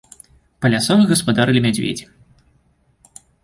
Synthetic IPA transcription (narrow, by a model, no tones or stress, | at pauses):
pɐlʲasɔvɨɣɐspad̪aɾɨlʲimʲɛd͡zʲvʲḛd͡zʲi